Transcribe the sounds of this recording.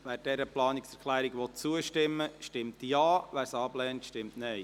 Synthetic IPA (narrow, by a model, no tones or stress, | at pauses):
ʋæːɾd̥ɛɾəplɑːniksɛɾkʰlæːɾiɡʋɔt̚t͡suəʃtɪmːəʃtɪmtjɑːʋæːɾsɑːblɛːntʃtɪmtnɛɪ